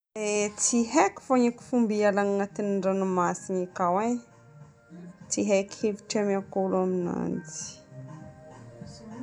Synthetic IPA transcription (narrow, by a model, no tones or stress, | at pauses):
et͡siɦeki̥foɲiku̥fumbialaŋŋat̪iniɳɖ͡ʐanumasinikawe | t͡siɦekhevi̥ʈ͡ʂamakoluamina̰nd͡ʒi̥